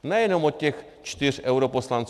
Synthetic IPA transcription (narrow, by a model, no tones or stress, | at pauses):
najɛnɔmɔt̪̚ʲtʲɛx | t͡ʃt̪irɛwɾɔpɔslˠant̪s